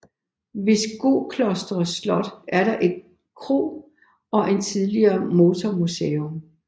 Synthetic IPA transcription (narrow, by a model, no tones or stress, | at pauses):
ʋe̝sɡ̥o̝̰ːkʰlɒsd̥ʁɐslɒ̽d̥æɐɾɑ̈ʔe̝d̥̚ | kʰʁo̝̰ː | ɒ̽ʔe̝nt͡sʰiðˠliɐːmo̝t͡sʰɒmusḛːom